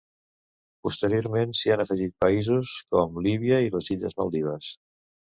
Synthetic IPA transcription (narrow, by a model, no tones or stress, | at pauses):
pust̪əɾioɾmensianəfəʒit̪̚pəizuskɔmliβ̞iəiləziʎə̰zmalˠd̪iβ̞əs